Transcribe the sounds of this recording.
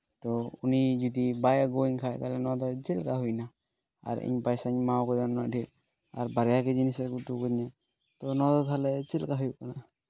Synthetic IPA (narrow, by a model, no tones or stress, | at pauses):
t̪ɔunid͡ʒud̪ibajaɡoiŋkʰajt̪alɛnɔad̪ɔt͡ʃɛlkaɦujna | a̰ɾḭɲpajsaɲmawkɔɾanadil | aɾbaɾɛjaked͡ʒinisɛɾkuʈukɔd̪na | t̪ɔnɔad̪ɔt̪ʰalɛt͡ʃilkaɦujukana